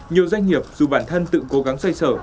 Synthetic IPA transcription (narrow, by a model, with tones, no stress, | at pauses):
ɲi˨˩əwzwa˧jŋ̟ŋi˨˩əp̚zu˨˩ɓaː˧˩nt̪ʰə˧nt̪ɨ̰˧˨ko˨˦ɣa˨˦ŋsa˧jsəː˧˩